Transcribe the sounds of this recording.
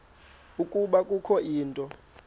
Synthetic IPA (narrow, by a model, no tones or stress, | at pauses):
ukʼuɓakʼukʰɔʔiːntʼɔ